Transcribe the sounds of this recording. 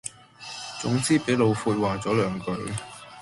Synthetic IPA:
t͡sʊ˨˥ŋt͡siː˥pe˨˥jlo˨˧wfuː˧t̚waː˨˩t͡sɔː˨˥lœː˨˥ŋkɵ˨˥ɥ

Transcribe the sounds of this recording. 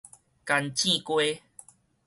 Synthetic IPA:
ka˧nt͡ɕi˥˧kwe˦

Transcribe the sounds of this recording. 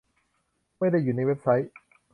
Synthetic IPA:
ma˥˩jda˥˩jːuː˨˩na˧˥jwe˦˥p̚sa˦˥j

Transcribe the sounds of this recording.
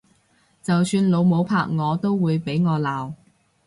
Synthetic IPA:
t͡sɐ˨wsyː˧nlo˨˧wmo˨˧wpʰaː˧k̚ŋɔː˨˧t̪o˥wwuː˨˧jpe˨˥jŋɔː˨˧laː˨w

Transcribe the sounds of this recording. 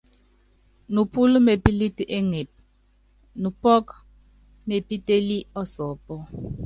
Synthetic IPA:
nu˨pu˦lme˨pi˦li˦tʔe˦ŋe˨p̚ | nu˨pɔ˦k | me˨pi˦te˦li˦ɔ˦sɔ˨pɔ˦

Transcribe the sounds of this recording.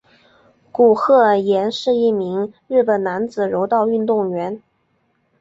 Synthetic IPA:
ku˨˩xɤ˥˩jɛ˧˥nʂɻ̩˥˧i˥˩mi˧˥ŋɻɻ̩˥˩pə˨˩nna˧˥nd͡zɹ̩˨˩ɻo˧˥ʊt̪ɑ˥˧ʊy˥˧nt̪ʊ˥˩ŋɥɛ˧˥n

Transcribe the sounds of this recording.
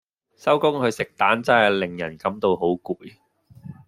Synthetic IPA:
sɐ˥wkʊ˥ŋhɵ˨˧ɥsɪ˨k̚t̪aː˨˥nt͡sɐ˨˥ɛ˨˩lɪ˨˩ŋjɐ̰˨˩nkɐ˨˥mt̪o˧wɦo˨˥wkuː˨˧j

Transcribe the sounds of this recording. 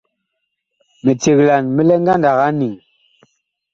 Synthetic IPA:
me˨te˨ɣla˨nmi˦lɛ˦ŋ˦ɡa˦nda˨ɣa˦ni˨ŋ

